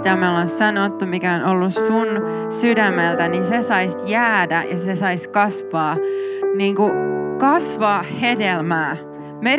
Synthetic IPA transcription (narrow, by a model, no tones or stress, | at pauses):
t̪æmæolonsɑnot̪ːumikæonolːussun | sydæmːelt̪æninsesɑisjæːdæjɑsesɑiskɑsʋɑːniːŋkukɑsʋɑːhhedelmæː | me